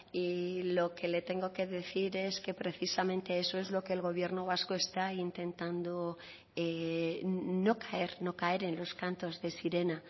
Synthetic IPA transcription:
ilo̞kele̞t̪e̞ŋɡo̞ke̞ðe̞θiɾe̞ske̞pɾe̞θisamẽ̞nt̪eeso̞e̞zlo̞keːlɣ̞o̞β̞je̞ɾno̞β̞asko̞e̞st̪aint̪ẽ̞nt̪and̪o | e | no̞kae̞ɾno̞kae̞ɾe̞nlo̞skant̪o̞zðe̞siɾe̞na

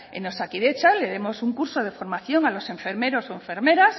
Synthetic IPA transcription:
ḛnosakiðet͡ʃale̞ðe̞mo̞suŋkuɾsoð̞e̞fo̞ɾmaθjo̞ŋalo̞se̞ɱfeɾme̞ɾo̞soẽ̞ɱfe̞ɾme̞ɾas

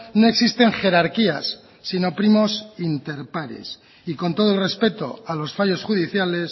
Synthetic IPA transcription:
no̞e̞ksist̪e̞ŋχe̞ɾaɾkia̰sː | ino̞pɾimo̞sint̪e̞ɾpaɾḛs | iko̞nt̪o̞ð̞oelre̞spe̞t̪o̞̰alo̞sfaʝo̞sxuðiθjale̞s

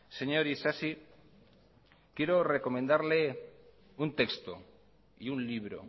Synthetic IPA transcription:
se̞ɲoɾisasi | kje̞ɾore̞ko̞mẽnd̪aɾle̞ | unt̪e̞kst̪o̰ | iunliβ̞ɾo̰

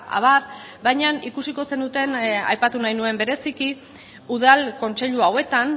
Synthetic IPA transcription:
a̰β̞ar | bajɲanikusiko̞se̞nd̪ut̪e̞na̰jpat̪unajnue̞mbe̞ɾe̞siki | uðalko̞nt͡se̞ʎuawe̞t̪an

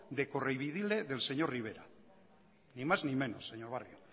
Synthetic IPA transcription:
d̪e̞korejβ̞iðileðe̞lseɲoɾriβ̞eɾa̰ | nimaznimẽ̞nosːeɲoɾβ̞arjo

